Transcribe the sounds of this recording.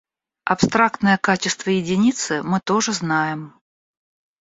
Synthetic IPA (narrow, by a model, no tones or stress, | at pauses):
ɐpst̪ɾak̚t̪nəjəkat͡ɕɪst̪vəjɪdʲɪnʲit̪sɨmɨt̪oʐɨznajɪm